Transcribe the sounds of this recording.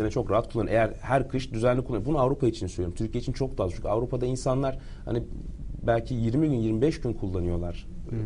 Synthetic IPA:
enɛt͡ʃʰo̞kɾaɦat̪̚kʰulˠːanejæɾhæɾkʰɯʃd̪yzænlʲikʰulˠːanɾmbunuavɾupʰait͡ʃʰinisøjoɾumt̪ʰyɾcʰijeit͡ʃʰint͡ʃʰo̞k̚d̪aːzt͡ʃʰuca̰vɾupʰad̪ainsanlˠaɾ̥ | ha̰nibælʲcʰijiɾmiɟynjiɾmibɛʃɟynkʰulˠːanɯjo̞lˠaɾ̥

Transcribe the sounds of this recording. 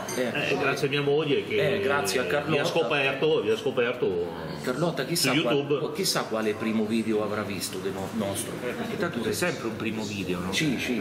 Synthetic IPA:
ɛɛ̰ɡɾat̪sjamiːamolːek̟eɛɡɾat̪sːjeakːarlɔaskopɛrt̪oviaskopɛrt̪o | kːarlɔt̪ːak̟isːuakjut̪ubk̟isːakːwaːlepɾiːmʊviːd̪eoavɾavːist̪ʊd̪enɔnɔst̪ɾoɛet̪ant̪ːusɛsɛmpɾeumpɾiːmʊviːd̪eonɔsit͡ʃi

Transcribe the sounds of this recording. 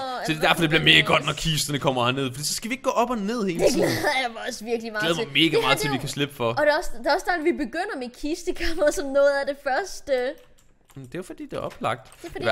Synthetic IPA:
d̥ed̥æɐfɒ̽d̥e̝b̥liɐme̝ːɡ̥əɡ̥ɒ̽d̥nɒkʰisd̥ɐnəkʰɒ̽m̰ɐhæne̝ð̞̰ˠfɒ̽d̥ḭːsɒ̽sɡ̥æʋie̝ɡ̥̚ɡɔ̰ːʔɒb̥ɒne̝ð̰ˠhe̝ːle̥lɛðˠɐjamɒsʋiɐɡ̥limɑ̈lɛð̩ˠʋɒme̝ːɡ̥ɐmɑ̈ːð̩ˠt͡sʰe̝lʋikʰæsle̝b̥əfɒ̽ɒd̥eɒsd̥e̝ɒ̽sd̥æɐdʋibe̝ɡ̥øn̰ɐmekʰisd̥əkʰɑmɐsɒ̽mnɔ̽ːð̩ˠæd̥efɶɐsd̥ə | d̥e̝ofɒd̥ḭːd̥e̝ɒ̽b̥lɑ̈ɡ̥̚d̥

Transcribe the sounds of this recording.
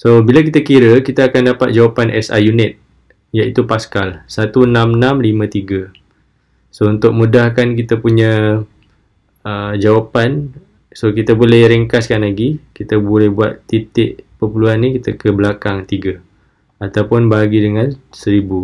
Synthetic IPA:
sobilakit̪akiɾəkit̪aakandapat̪̚d͡ʒawapanʔɛsa̰junɪt̪̚ | jait̪upaskalsat̪uənãmnamlimãt̪iɡa | sount̪ʊk̚mudahkank̬it̪əpuɲã | əd͡ʒawapan | sokit̪abolɛhɾiŋkaskanlaɡikit̪əbolɛhbuat̪ːit̪ɪʔpəpuluanːĩkit̪əkəbəlakaŋt̪iɡa | at̪awpʊnbaaɡidəŋansəɾibu

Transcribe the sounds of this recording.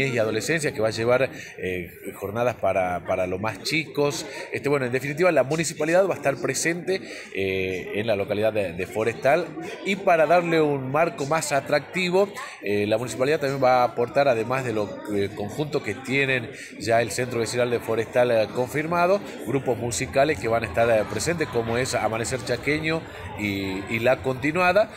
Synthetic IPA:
esiað̞o̞le̞se̞ns̬jake̞βaʒe̞β̞aɾ | e | xo̞ɾnað̞aspaɾapaɾalo̞zmast͡ʃikosest̪ewenoenefinit̪̬iβalamunisipaliðaðβaest̪aɾpɾese̞nt̪e̞ | enlalo̞kaliðaðd̪efo̞ɾest̪alipaɾaðaɾleunmaɾko̞masat̪ɾak̚t̪iβo̞ | elamunis̬ipaliðaðt̪ːambjembaːpo̞ɾt̪aɾaðe̞mazðe̞lo̞ | ko̞ŋxunt̪oket̪je̞nẽ̞n | ʒaelsent̪ɾoβesinald̪efo̞ɾest̪alko̞ɱfiɾmað̞o̞ | ɡɾupo̞zmusikale̞skeβanaest̪aɾpɾe̞se̞nt̪esko̞moesa̰manese̞ɾt͡ʃakeɲo | iːlako̞nt̪inwaða

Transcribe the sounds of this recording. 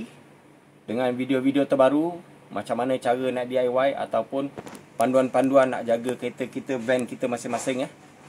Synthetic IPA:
dəŋãnvidiovidiot̪ərbaɾu | mat͡ʃamːanə̃t͡ʃaɾənaʔdiajwaja̰t̪awpʊnpanduanpanduanːa̰ʔd͡ʒaɡəkəet̪əkit̪əvɛnkit̪əmasɪmasɪŋjah

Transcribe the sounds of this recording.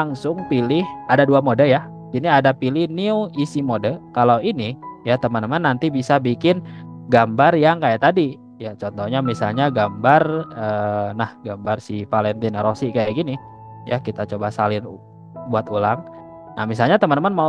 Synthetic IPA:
aŋsʊŋpilɪhadaduamodəja | iniadapilɪhniuisimodəkalawinijat̪əmənt̪əmanːant̪ibisabikɪnɡambarjaŋkajaʔt̪adi | jat͡ʃɔnt̪ɔhɲamisalɲaɡambarəːnahɡambarsipalɛnt̪inɾosɪkajaʔɡini | ja̰kit̪at͡ʃobasalɪn | buat̪ulaŋ | nahmis̬alɲat̪əmənəmanma

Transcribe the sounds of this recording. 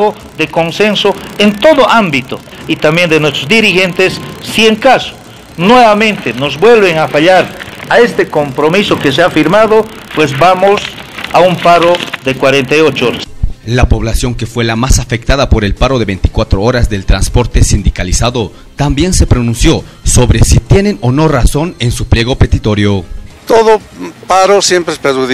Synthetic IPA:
o | ðeko̞nsensoent̪o̞ðoʔambit̪o | it̪ambje̞nd̪enwest̪ɾozd̪iɾixent̪esːieŋkaso̥ | nweβamẽ̞nt̪enozbwe̞lβeŋafaʎaɾae̞st̪ekompɾomisokes̬eafiɾmaðo | pwe̞zbamosaumpaɾoðekwaɾent̪ajot͡ʃoɾaslapo̞βlasjo̞ŋke̞fwe̞lamasafek̚t̪aðapo̞ɾe̞lpaɾo̞ðe̞βejnt̪i̥kwat̪ɾooɾazðe̞lt̪ɾanspo̞ɾt̪e̞sind̪ikalisaðo̞ | t̪ambje̞nse̞pɾo̞nũnsjo̞ | so̞βɾesit̪je̞ne̞no̞no̞raso̞ne̞nsuplje̞ɣo̞pet̪it̪o̞ɾjo̞t̪oðo | paɾosjempɾespeɾuð

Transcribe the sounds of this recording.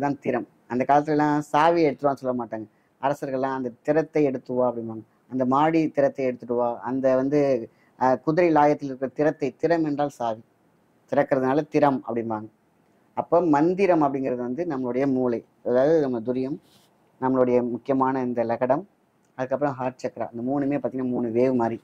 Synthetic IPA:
t̪ãːnt̪ɪɾɐm | ɐnd̪ɐkaːlɐt̪ːɪlɛlːãːsaːʋiɛɽɯt̪ːɯɾʋaːnːɯsɔlːɐmaːʈːaːŋɡɐ | ɐɾɐsɐɾɣɐɭɛlãːɐnd̪ɐt̪ɪɾɐt̪ːɐɪɛɽɯt̪ːɯʋaːɐpːɐɽɪnʋaːŋɡɐ | ɐnd̪ɐmaːɽit̪ɪɾɐt̪ːɐɪɛɽɯt̪ːɯʈːɯʋaːɐnd̪ɐʋɐnd̪ɯ | kʊðʊɾɐɪlaːjɐt̪ːɪlɪɾɯkɯɾɐt̪ɪɾɐt̪ːɐɪt̪ɪɾɐmɛndraːlsaːʋi | t̪ɪɾɐkːɪɾɐðɯnaːlɐt̪ɪɾɐmɐ̰pːɐɽɪnʋaːŋɡɐ | ɐpːoːmɐnd̪ɪɾɐmɐpːɐɽɪŋɡɪɾɐðɯʋɐnd̪ɯnɐmːɐɭɯɽɐjɐmuːlɐɪ | ɐðaːʋɐðɯnɐmːɐd̪ʊɾɪjɐm | nɐmːɐɭɯɽɐjɐmʊkːɪjɐmaːnɐɪnd̪ɐlɐɣɐɽɐm | ɐðɯkːɐpːɯɾɐ̃mɦaːɾt͡ʃɐkːɐɾa̰ːɐɪnd̪ɐmuːnɯmeːpaɾt̪ɪŋɡnamuːnɯʋeːʋɯmaːd̪ɾi

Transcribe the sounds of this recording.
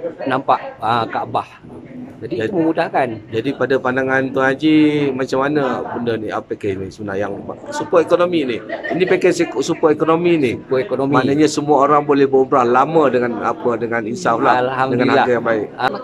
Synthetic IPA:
nampaʔəkabah | d͡ʒadid͡ʒauməmudahkand͡ʒadipadapandaŋant̪uhad͡ʒimat͡ʃamːanəbəndəniapekɛnisəənajaŋluba̰ʔsupaekonominihinipekɛsksupaekonominiupaekonommanəɲasəmuaoɾaŋbolɛhbəubɾahlamədəŋana̰pədəŋaninsaflahlhamdəŋannhaaɡajaŋbaɪk̚a

